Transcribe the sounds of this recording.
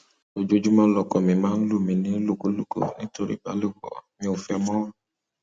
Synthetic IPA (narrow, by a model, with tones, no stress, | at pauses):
o˨d͡ʒo˧d͡ʒu˦mã˧lɔ˨kɔ˨mĩ˨mãː˦n̩˦lu˦˨mĩ˧nĩ˨˦lo˦˨ko˨˦lu˦˨ko̰˨nĩ˨˦to˧ɾḭ˦ɡ͡ba̰˨˦lo˦˨wɔ̰˨mĩ˧o˨fɛ˧mɔ̃˦a˦˨